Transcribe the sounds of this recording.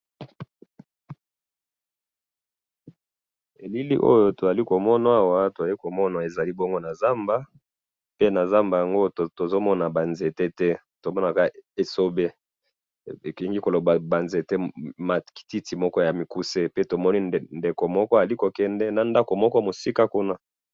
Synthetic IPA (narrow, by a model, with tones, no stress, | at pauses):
e˨li˦lḭ˦ʔo̰˦jo˦to˨za˨li˦ko˨mɔ˦na˦a˦˨wa˦to˨za˨i˦ko˨mɔ˦na˨e˨za˨li˦bɔ˦ŋɡo˦na˨za˦mba˦ | pe˦na˨za˦mba˨ja˨ŋɡo˦to˨zo˦mɔ˦na˨ba˨nze˨tɛ˦tɛ˦ | to˨mɔ˦na˨ka˦e˨so˦be˦ | e˨kɛ˨ŋɡi˦ko˨lo˨ba˨ba˨nze˨tɛ˦ma˨ki̥˨ti˦ti˨mɔ˦kɔ˦ja˨mi˨ku˦se˦pe˦to˨mɔ˦ni˦˨nde˨ko˨mɔ˦kɔ˦˨li˦ko˨kɛ˦ndɛ˦na˨nda˦ko˨mɔ˦kɔ˦mo˨si˦ka˦ku˦na˦